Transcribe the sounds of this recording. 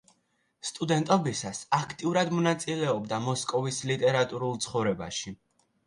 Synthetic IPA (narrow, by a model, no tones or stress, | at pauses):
st̪ʼud̪ɛnt̪ʼɔbisasakʰt̪ʼiuɾad̪mɔnat̪sʼilɛɔbd̪amɔskʼɔvislit̪ʼɛɾat̪ʼuɾulˠt̪sʰχɔvɾɛba̰ʃi